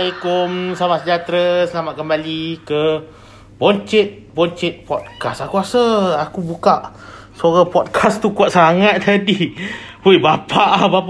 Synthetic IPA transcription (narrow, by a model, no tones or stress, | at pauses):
ajkʊmsamaʔsəd͡ʒat̪ɾəsəlamaʔkəmbalikə | bɔnt͡ʃɛt̪̚bɔnt͡ʃɛt̪̚pɔt̪̚kasakuasəakubukaʔ | səoɾapɔt̪̚kʰast̪ukuaʔsaŋat̪̚t̪adi | ojbapʰaʔbap